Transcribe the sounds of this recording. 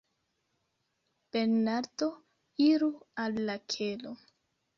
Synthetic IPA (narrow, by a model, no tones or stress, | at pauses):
b̥eɾnaɾto̞ | iɾualːakʰelo